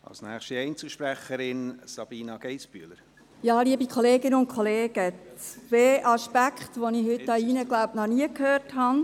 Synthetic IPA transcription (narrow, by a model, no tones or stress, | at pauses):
ɑ̰lsnæːχʃtiɛɪnt͡səl̩ʃpɾæχəɾɪnsɑb̥iːnɑɡ̥ɛɪsb̥yələɾ | jɑːliəbikχɔleːɡɪnəʊn̚kʰχɔleːɡ̥əʋeːʔɑʃpækχt̪ʋonihʏtdɑiːnəɡlaʊpnɔniəkhøːrthɑn